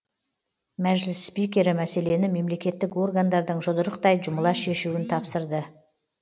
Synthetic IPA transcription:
mæʒlɪsːpijkʲe̞ɾɪmæse̞le̞nɪme̞mle̞kʲe̞t̪ːɪko̞rɡand̪ɑɾd̪əɴʒod̪əɾəqt̪ɑjʒʊməlˠɑʃe̞ʃuwɪnt̪ʰɑpsəɾd̪ə

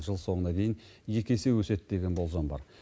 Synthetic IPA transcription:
ʒəlˠso̞ɴənɑd̪e̞jɪnje̞kʲe̞se̞wɵse̞t̪d̪e̞ɡʲe̞nbo̞lˠzɑmbɑ̰ɾ

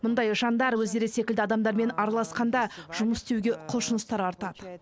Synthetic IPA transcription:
mʊnd̪ɑjʒɑnd̪ɑɾwɵzd̪e̞ɾɪse̞kʲɪld̪ɪɑd̪ɑmd̪ɑɾme̞nɑɾɑlˠɑsqɑnd̪ɑʒ̥ʊməsd̪ewɡʲe̞qʰʊlˠʃʊnəst̪ɑɾɑɾt̪ɑd̪̥ə

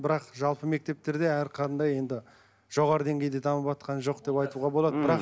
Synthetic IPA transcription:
bɪɾɑqʒɑlˠpəme̞k̚t̪e̞p̚t̪e̞ɾd̪e̞æɾqʰɑt̪ənd̪ɑje̞nd̪ɪ | ʒ̥o̞ʁɑɾəd̪e̞ŋɡʲe̞jd̪et̪ʰɑməpɑt̪qʰɑnʒo̞qd̪e̞pɑjt̪uʁɑbo̞lˠɑd̪əbɪɾɑq

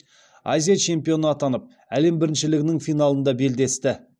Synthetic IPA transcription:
azʲijat͡ʃʰe̞mpijo̞nəɑt̪ɑnəp̚ | æle̞mbɪɾɪnʃɪlɪɡʲɪnɪŋfijnɑlˠənd̪ɑbe̞ld̪e̞st̪ɪ

